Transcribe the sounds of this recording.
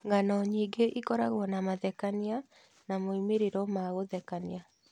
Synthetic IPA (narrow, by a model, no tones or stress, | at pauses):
ŋɡanɔɲiːɡeʔikɔɾaɣwɔnamaðɛkania | namoimeɾeɾɔmaɣoðɛkania